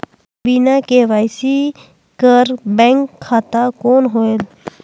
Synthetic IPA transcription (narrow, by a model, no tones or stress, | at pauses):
biːnakeʋaːjsi | kəɾbɛ̃ŋkʰːaːt̪akoːnɦoel